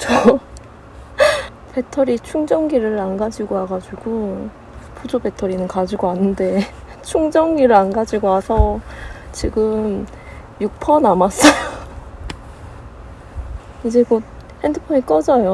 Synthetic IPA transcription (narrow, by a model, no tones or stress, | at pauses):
t͡ɕʰʌ | pe̞tʰʌɾit͡ɕʰuŋd͡ʑʌŋɡiɾɯɾanɡad͡ʑiɡoaɡad͡ʑuɡ̥u | pud͡ʑobe̞tʰʌɾinɯnkad͡ʑiɡoanːɯnde̞ | t͡ɕʰuŋd͡ʑʌŋɡiɾɯanɡad͡ʑiɡoasʰʌt͡ɕiɡɯm | juk̚pʰʌnamas͈ʌjo | id͡ʑe̞ɡot̚ | hendɯpʰʌnik͈ʌd͡ʑajo